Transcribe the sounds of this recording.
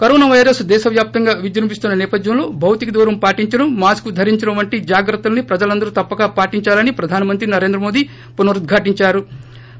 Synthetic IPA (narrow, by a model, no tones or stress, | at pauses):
kɐɾɔːnaʋɐjɾɐsd̪ɛːʃɐʋjaːp̚t̪ɐŋɡaːʋid͡ʒɐɾɐmpist̪unːɐnɛːpɐd̪jɐmlo̞ːbʱɐwt̪ikɐd̪ɔːɾɐmpaːʈiɲt͡ʃɐnumaːskud̪ʱɐɾiɲt͡ʃɐnɐʋɐɳʈid͡ʒaːɡɾɐt̪ːulɐnipɾɐd͡ʒɐlɐnd̪ɐɾut̪ɐpːɐɡaːpaːʈiɲt͡ʃaːlɐnipɾɐd̪ʱaːnɐmɐnt̪ɾinɐɾe̞ːnd̪ɾɐmoːd̪i | punɐɾud̪̚ɡʱaːʈiɲt͡ʃaːɾu